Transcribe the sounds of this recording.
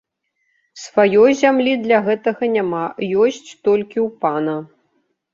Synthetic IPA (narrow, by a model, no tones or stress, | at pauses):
svajɔjzʲamlʲid̪lʲɐɣɛt̪ɐɣɐnʲamajɔsʲt͡sʲt̪ɔlʲkʲiwpanɐ